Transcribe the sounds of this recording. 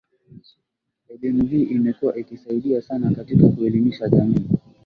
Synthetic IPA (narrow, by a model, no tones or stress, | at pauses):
ɛɗɛmuɦiːʔimɛkuwaʔikisaiɗiasanakatikakuɛlimiʃaʄamiː